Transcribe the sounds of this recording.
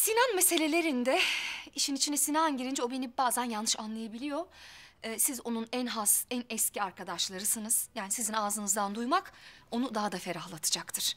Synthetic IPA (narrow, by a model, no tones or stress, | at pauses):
sinanmese̞lʲe̞lʲe̞ɾind̪ɛiʃinit͡ʃʰinɛsinanɟiɾind͡ʒo̞be̞nibaːzænjanːɯʃanlˠajabilʲijo̞ː | sizo̞nunænɦasænɛsciaɾkʰad̪aʃlˠaɾɯsɯnɯz̥jaːnisizinaːzɯnɯzd̪and̪ujmako̞nud̪aɦad̪afe̞ɾahlˠat̪ʰɯ̥d͡ʒakt̪ʰɯɾ̥